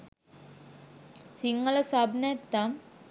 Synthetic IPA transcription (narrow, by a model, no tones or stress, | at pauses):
siŋːələsabnɛt̪ːam